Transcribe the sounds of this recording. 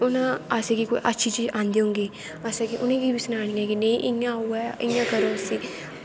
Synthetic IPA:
ʊnãːasẽːkiːkoːḭʔətːʃʰit͡ʃiːd͡ʒãːnd̪eːɦʊ̃ːŋɡeː | asaːkiʔʊnẽːkiːbiːsʊnaːɽ̃iːɛːkineĩʔɪãuːɛːɪãːkəɾoːsiː

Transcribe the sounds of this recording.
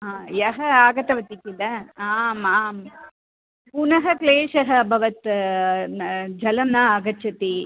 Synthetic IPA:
aːjɐɦɐaːɡɐt̪ɐʋɐt̪ikilɐaːmaːm | punɐɦɐkleːʂɐɦɐbʱɐʋɐt̪ | d͡ʒɐlɐmnaːɡɐt͡ʃɐt̪i

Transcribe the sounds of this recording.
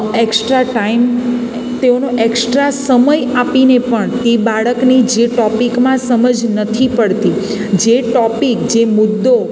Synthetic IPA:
eksʈɾaʈaim | t̪eonoʔeksʈɾasəməjapinepəɳt̪ebaɭəknid͡ʒeʈɔpikmãsəməd͡ʒnət̪ʰipəɭt̪i | d͡ʒeʈɔpikd͡ʒemʊd̪ːo

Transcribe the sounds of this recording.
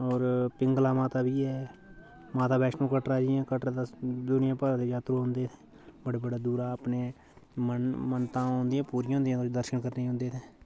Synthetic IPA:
ɔːɾpɪŋɡlaːmãːt̪aːbiːɛː | maːt̪aːbɛːʃnõːkəʈɾaːd͡ʒiːãːkəʈɾat̪ad̪ʊnɪjãːpəɾãːd̪eːd͡ʒaːt̪ɾõːɦʊnd̪eːt̪ʰe̥ː | bəɽeːbəɽaːd̪uːɾaːəpneː | mənmənt̪ãːõːnd̪ijãːpuːɾɪjõːnd̪ijãːt̪od̪əɾʃənkəɾneːɦõːnd̪eːt̪ʰeː

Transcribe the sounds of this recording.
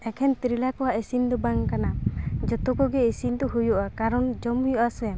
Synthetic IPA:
ɛkʰɛnt̪ɾilakɔwaʔesind̪ɔbaŋkanad͡ʒɔt̪ɔkɔɡɛesind̪ɔɦujɔʔakaɾɔnd͡ʒɔmujɔʔasɛ

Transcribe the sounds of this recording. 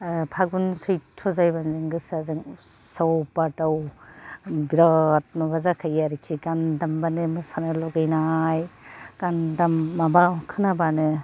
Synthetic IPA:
pʰaɡ̚bunsujtʰɔzajbanzɯŋɡɯsazɯŋsawpataw | biɾat̚mɯbazakʰajaɾikʰiɡandambanɯmɯsanɯlɔɡajnajɡ̥andamːabakʰɯnabanɯ

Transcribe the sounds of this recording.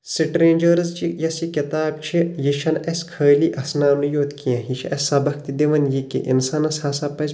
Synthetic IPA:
siʈɾẽːnd͡ʒɐɾzt͡ʃijɐsikit̪aːbt͡ʃʰijiʃɐnɐsʲkʰɐːliːʔɐsnaːnujoːt̪kiɐ̃ɦiʃʰʔɐsɐbɐk̚t̪id̪eʋɐnjikḭʔḭnsanɐshɐsaːpɐz

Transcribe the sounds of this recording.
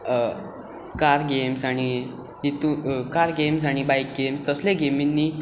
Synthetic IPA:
kaɾɡemsaɽ̃i | ɦit̪ukaɾɡems̬aɽ̃ibaik̚ɡemst̪əslẽɡeminːiː

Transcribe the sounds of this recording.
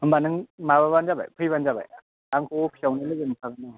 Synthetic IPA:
ɯmbanɯŋmaβabanzaba̰jpʰɯjbanzaba̰j | aŋkʰopʰiawnilɯɡɯnpʰaɡana

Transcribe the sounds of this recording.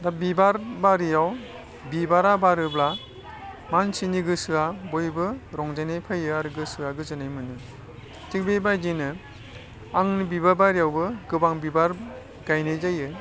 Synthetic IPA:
dabibaɾbaɾijaw | bibaɾabaɾɯbla | mansiniɡɯsɯabojbɯɾɔŋzajnajpʰajɯaɾɯɡɯsɯaɡɯzɯnajmɯnɯ | tʰik̚bebajdinɯ | aŋnibibabaɾijawbɯɡɯbaŋbibaɾ | ɡajnɯjzajɯ

